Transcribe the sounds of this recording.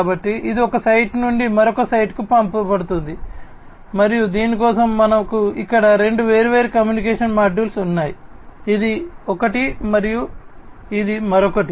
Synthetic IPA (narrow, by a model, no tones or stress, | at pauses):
bɐʈːiid̪iɔkɐsɐjʈnuɳɖimɐɾɔkɐsɐjʈkupɐmpɐpɐɽut̪und̪i | mɐɾijud̪iːnikɔːsɐmːɐnɐkuikːɐɽɐɾe̞ɳɖuʋe̞ːɾuʋeːɾukɐmjuːnik̬eːʂɐnmaːɖuːlsunːaːji | id̪iɔkɐʈimɐɾiju | id̪imɐɾɔkɐʈi